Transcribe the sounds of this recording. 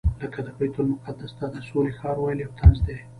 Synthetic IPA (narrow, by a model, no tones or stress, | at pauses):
ləkad̪əbajt̪ʊlmʊqad̪asd̪ɑd̪əsolexɑɾwajliawt̪anzd̪e